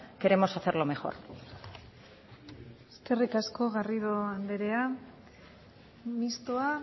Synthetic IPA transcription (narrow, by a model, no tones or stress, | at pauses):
ke̞ɾe̞mo̞saθe̞ɾlo̞me̞xo̞̰ɾ | eske̞rikasko̞ɣariðoand̪eɾe̞a | mist̪oa